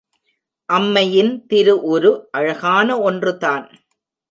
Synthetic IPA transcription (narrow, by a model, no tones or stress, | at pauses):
ʔɐmːɐjɪnt̪ɪɾɯʔɔɾɯʔɐɻɐɣaːnɐɔndrɯtaːn